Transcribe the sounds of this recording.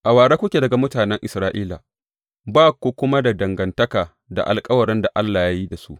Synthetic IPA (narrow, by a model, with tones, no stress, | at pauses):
ʔa˨waː˨ɽaː˦kʷʊ˦kʲeː˨dɐ˨ɡa˨mʊ˦taː˨nɛ˦ŋʔɪ˨sɾaː˦ʔiː˦la̰˨ | baː˦kʷo˦kʷʊ˦ma˦da˨dɐ˨ŋɡɐ˨ntɐ˦kaː˨ | da̰˨ʔa̰˨lkʼɐ˦wɐ˨ɾɛ˦nda˨ʔa˦lːaː˨ja˦ji˦da˨su˦ʔ